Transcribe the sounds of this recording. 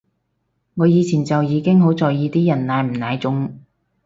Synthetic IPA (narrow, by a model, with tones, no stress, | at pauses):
ŋɔː˨˧jiː˨˧t͡sʰiː˨˩nt͡sɐ˨wjiː˨˧kɪ˥ŋɦo˨˥wt͡sɔː˨˩jjiː˨˧t̪iː˥jɐ˨˩nnaː˨˧jm̩˨˩naː˨˧jt͡sʊ˨˥ŋ